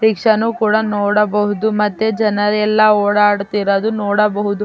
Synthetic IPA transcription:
ɾikʂɐnukuːɽɐnoːɽɐbɐɦud̪umɐt̪ːed͡ʒɐnɐɾɛlːɐoːɽaːɽt̪iɾɐd̪unoːɽɐbɐɦud̪u

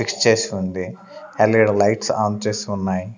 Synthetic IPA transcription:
ikst͡ʃe̞ːsiund̪i | ɛleɽlɐjʈsaːnt͡ʃe̞ːsiunːaːji

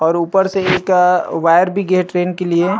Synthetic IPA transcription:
ɔːɾuːpəɾseekaʋaːjəɾbʱiɡeɦʈɾeːnkelie

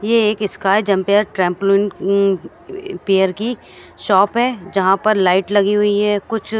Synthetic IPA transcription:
jeeːkɪskaːjd͡ʒɐ̃mpeəɾʈɾɛ̃ːmplɪɳʈ | peːjəɾki | ʃɔːpɦɛd͡ʒɐɦãpɐɾlaːɪʈlɐɡiɦʊiɦɛːkʊt͡ʃʰ

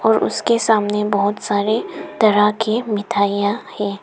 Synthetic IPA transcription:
ɔːɾʊ̰skesaːmnebɔɦʊt̪saːɾed̪̥ɐɾakemɪt̪ʰaːijãhɛ̃ː

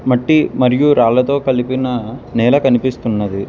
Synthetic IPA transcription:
mɐʈːimɐɾijuɾaːlɐt̪o̞ːkɐlipinɐnɛːlɐkɐnipist̪unːɐd̪i

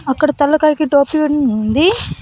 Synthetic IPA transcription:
ɐkːɐɽɐt̪ɐlːɐkaːɾkiʈoːpiʋeɽunːnd̪i

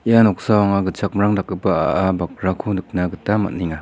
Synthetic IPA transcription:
ianɔk̚sawaŋaɡɯt͡ʃak̚mɾaŋdakːɯpaa̰ʔabak̚ɾakʰunɯk̚naɡɯtama̰t̚niŋa

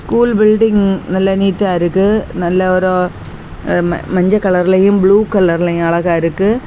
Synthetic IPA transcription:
skuːlbɪlɖɪŋnɐlːɐniːʈːaːɪɾɯkːɯnɐlːɐɔɾo | mɐɲd͡ʒɐkːɐɭɐɾɪlɐjɯ̃mbɭuːkɐɭɐɾɪlɐj̃ɐɭɐɣaːɪɾɯkːɯ

